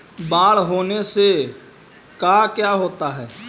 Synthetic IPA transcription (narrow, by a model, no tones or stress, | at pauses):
baːɭɦoːnese | kaːkjaːɦoːt̪aɦɛː